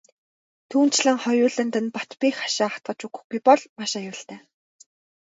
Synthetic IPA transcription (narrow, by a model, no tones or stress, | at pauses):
t̪ʰuːn̥t͡ɕɮə̆ŋχɔjʊːɮə̆nt̪ə̆npɔ̥t̪piːxḁʃaːat̪̚ɢə̆t͡ɕukɵ̥̆xɡujpɔɮmaʃajʊːɬt̪æː